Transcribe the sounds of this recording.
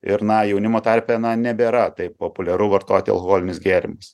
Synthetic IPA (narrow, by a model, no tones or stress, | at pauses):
ɪɾnɐjɛʊnʲɪmoːt̪ɐrʲpʲɛnɐnʲɛbʲeːɾɐt̪ɐɪppoːpʊlʲɛɾʊʋɐɾt̪oːt̪ʲɪɐlˠkoɣoːlʲɪnʲɪsɡʲeːɾʲɪ̰mɐs